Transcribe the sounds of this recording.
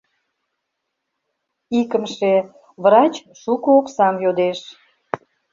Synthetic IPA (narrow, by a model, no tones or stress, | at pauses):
ikəmʃe | βɾɑt͡ɕʃukooksɑmjod̪eʃ